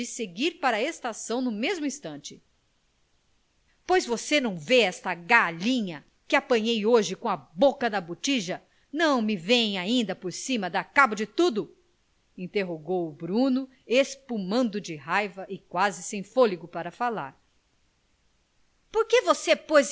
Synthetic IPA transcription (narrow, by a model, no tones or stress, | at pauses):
ɪseɡiɾpaɾɐest̪asɐ̃w̃nʊmezmʊĩst̪ɐ̃nt͡ʃɪ̥ | pojzvosenɐ̃w̃veɛst̪ɐɡaʎĩɲɐ | kɪapɐ̃ɲejoʒɪkõɐbokɐd̪ɐbut͡ʃiʒɐ | nɐ̃w̃mɪvẽj̃aĩnd̪ɐpoɾsĩmɐd̪ɐkabɐd͡ʒɪt̪ud̪ʊ | ĩnt̪eɦoɡowʊbɾũnʊ | espumɐ̃nd̪ʊd͡ʒɪɦajvɐʔɪkwazɪsẽj̃foliɡʊpaɾɐfala̰ɾ | poɾkevosepojz